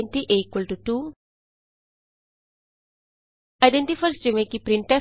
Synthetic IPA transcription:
ntiʔeikwəltutu | ajdɛ̃ntifəɾstumekipɾĩntɛ

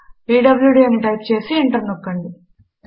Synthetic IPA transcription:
piːɖɐbljuɽiɐmʈɐjkt͡ɕe̞ːsiiɳʈɐrnokːɐɳɖi

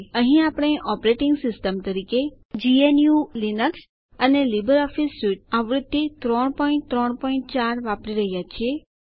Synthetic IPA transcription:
əɦĩapɽ̃eʔɔpɾeʈɪŋɡsɪsʈəmt̪əɾike | d͡ʒienjulinəks | ənelibəɾɔfisːuʈ̚aʋɾɪt̪ːit̪ɾɔɳpɔĩɳʈt̪ɾɔɳpɔĩɳʈ̚t͡ʃaɾʋapɽiɾəɦjat͡ʃʰie

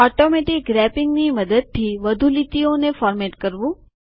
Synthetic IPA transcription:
ɔʈomɛʈɪk̚ɡɾɛpɪŋɡniməd̪əd̪̚t̪ʰiʋəd̪ʱulit̪ionefɔːɾmɛʈkəɾʋũ

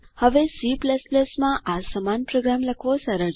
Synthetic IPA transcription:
həʋesipləspləsmãʔasəmanpɾoɡɾamləkʰʋosəɾə

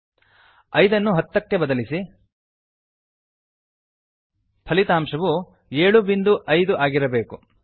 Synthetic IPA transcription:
ɐjd̪ɐnːuɦɐt̪ːɐkːebɐd̪ɐlisi | pʰɐlit̪aːmʂɐʋu | eːɭubind̪uʔɐjd̪uʔaːɡiɾɐbe̞ːku

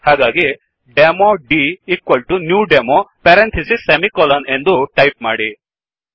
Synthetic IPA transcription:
haːɡaːɡi | ɖemoɖiːkʋɐlʈunjuːɖemopɛɾent̪ʰisisɐmikɔːlɐne̞nd̪uʈɐjp̚ma̰ːɽi

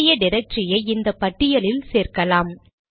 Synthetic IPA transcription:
ɪjɐɖɪɾɐk̚ʈɾɪjɐɪɪnd̪ɐpːɐʈːɪjɐlɪlseːɾkɐlaːm

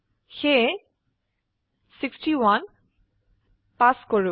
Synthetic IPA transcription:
xe | siksʈiwan | paskoɹu

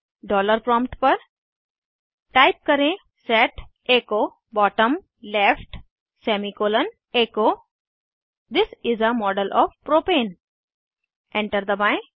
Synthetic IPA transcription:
ɖɔːləɾpɾɔ̃ːmpʈpəɾ | ʈaɪp̚kəɾẽ | sɛʈ | eːkoː | bɔːʈə̃m | lefʈ | sɛmikoːlə̃n | eːkoː | d̪ɪsɪzəmɔːɖəlʔɔːʋpɾoːpẽːn | ɛ̃ɳʈəɾd̪əbãɪ̃

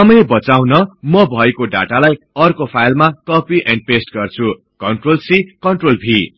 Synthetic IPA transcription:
ʌmʌjbʌt͡saw̃nʌmʌbʱʌekoɖa̰ʈalaj | ʌrkopʰajlmakʌpiʔɛ̃ɳɖ̚pesʈɡʌrt͡sʰu | kʌɳʈrolsikʌnɳʈrolbʱi

